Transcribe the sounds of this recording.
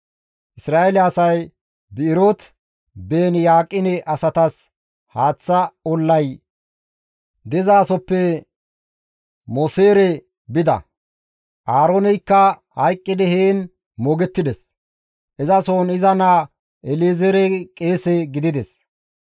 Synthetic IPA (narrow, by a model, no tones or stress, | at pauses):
ʔɪsɾaːelɪɐsɐj | bɪɪɾot̪ | beːnjaːkʼːɪnɛʔɐsɐt̪ɐs | haːt͡sːɐɔlːɐj | d̪ɪzaːsɔpːɛ | mɔseːɾɛ | bɪd̪ɐ̰ | ʔaːɾoːnɛjkːɐhɐjkʼːɪd̪ɛheːn | moːɡɛt̪ːɪd̪ɛs | ʔɛzɐsoːnɪzɐnaː | ʔɛleːzɛɾɛkʼeːsɛɡɪd̪ɪd̪ɛs